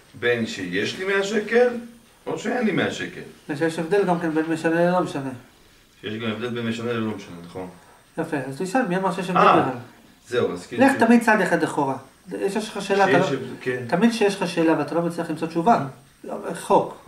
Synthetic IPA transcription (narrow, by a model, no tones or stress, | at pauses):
benʃejeʃlimeaʃekel | oʃeenimeaʃekḛlbeʃejeʃevd̪e̞lɡamkenbenmeʃanelelo̞meʃane̞ | ʃejeʃɡamevd̪elbenmeʃanelolomeʃanenaχo̞n | jafeazuiʃanmiamaʁʃejeʃevdebeχal | zeua̰zkileχt̪amid̪̚t͡sad̪jaχad̪leχo̞ʁa | jeʃeʃaʃeːlat̪aokent̪amid̪ʃejeʃχaʃeːlavalat̪alo̞met͡slijaχlimt͡sot̪t͡ʃuva | eχo̞k